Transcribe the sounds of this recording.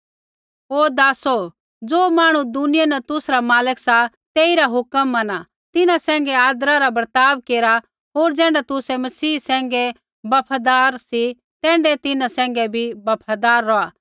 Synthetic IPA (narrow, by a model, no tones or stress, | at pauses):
ɦoːd̪aːso | d͡zoːmaːɽ̃ũd̪ʊnɪjanɛt̪ʊsɾamaːləksa | t̪eːiɾaɦʊkəmːɐna | t̪ɪnãsɛ̃ːŋɡɛaːd̪ɾaɾabɐɾt̪aːbkeːɾa | ɦoːɾd͡zɛ̃ːɳɖɛt̪ʊsɛmɐsiːsɛ̃ːŋɡɛ | bɐpʰad̪aːɾsi | t̪ɛ̃ːɳɖɛt̪ɪnãsɛ̃ːŋ̆ɡɛbʱibɐpʰad̪aːɾːɔaː